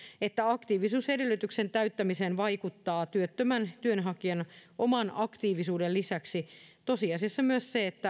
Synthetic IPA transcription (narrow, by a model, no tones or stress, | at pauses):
et̪ːæɑkt̪iːʋisuːshedelːyt̪yksent̪æyt̪ːæmisenʋɑikut̪ːɑːt̪yøt̪ːømænt̪yønɦɑkiɑnʔomɑnɑkt̪iːʋisuːdellisæksit̪osiɑsisːɑmyøsseːt̪ːæ